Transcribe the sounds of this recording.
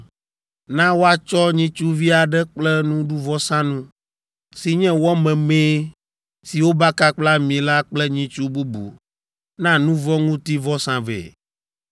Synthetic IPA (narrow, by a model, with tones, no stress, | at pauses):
nã˦wo˦a˦˨t͡ʃɔ˦ɲĩ˦t͡ʃu˦vi˦a˨ɖɛ˦k͡plɛ˦nũ˦ɖu˦vɔ˦sã˦nũ˦ | si˨ɲɛ̃˦wɔ˦mɛ̃˨mẽ˦ | si˨wo˦ba˦ka˦k͡pla˦mĩ˨la˦k͡plɛ˦ɲĩ˦t͡ʃu˦bu˦bṵ˨ | nã˦nũ˦vɔ˦ŋũ˦t̪i˦vɔ˦sã˨vɛ̰˨